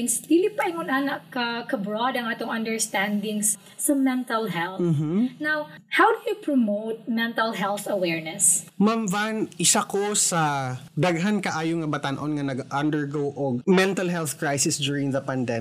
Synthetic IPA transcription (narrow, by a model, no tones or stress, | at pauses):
nsd̪iːlɪpɐʔɪŋʊnʔanɐkɐkɐbɹɔd̪ɐŋʔaːt̪oŋɐnd̪ɛɹst̪and̪ɪŋs | sɐmɛnt̪ɐlɦɛlθ̩nawhawd̪ʊjupɹomowt̪̚mɛnt̪ɐlɦɛlθɐwɛɹnɛsmamvanɪsakosad̪aɡɦankɐʔaːjoŋɐbat̪anʔonŋɐnɐɡʔand̪əɹɡowʔoɡ̚mɛnt̪alɦɛlθkɹajsɪsd̪jʊɹɪŋðɐpand̪ɛ